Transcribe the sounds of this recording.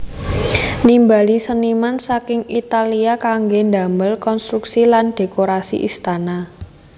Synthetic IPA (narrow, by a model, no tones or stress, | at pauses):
nimbalisənimansakɪŋit̪aliakaŋɡond̪a̤məlkɔnst̪ɾuksilanɖ̥e̤koɾasḭʔist̪ana